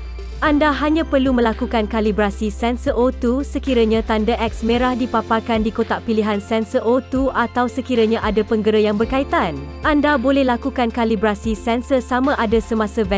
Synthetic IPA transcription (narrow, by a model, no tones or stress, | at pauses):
ʔandaɦaɲãpərlumə̃lakukankalibɾasisɛnsəʔot̪usəkiɾaɲãt̪andaʔɛk̚smẽɾahdipaparkandikot̪aʔpiliɦansɛnsəʔot̪uat̪awsəkiɾaɲãʔadapəŋɡəɾəjaŋbərkait̪an | ʔandabolɛhlakukankalibɾasisɛnsəsamãʔadasəmãsavɛ